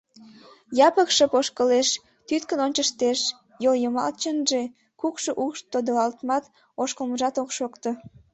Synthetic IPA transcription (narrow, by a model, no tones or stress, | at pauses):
jɑpəkʃəpoʃkəleʃ | t̪yt̪kənonʲt͡ɕəʃt̪eʃ | joljəmɑ̰lt͡ɕənʒe | kukʃoʔukʃt̪ːod̪əlɑlt̪mɑt̪ | oʃkəlməʒɑt̪okʃokt̪o